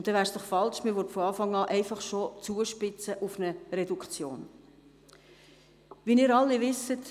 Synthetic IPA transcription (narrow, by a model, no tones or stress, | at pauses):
ʊnd̥ɛvæːɾsd̥ɔχfɑlʃmɪɾʋɔtfɔɑːfɑŋɑːʔɛɪfɑχʃot͡suəʃpɪt͡səʔʊfnərɛdukχt͡sjoːn | ʋiːniːɾɑlːiʋɪsət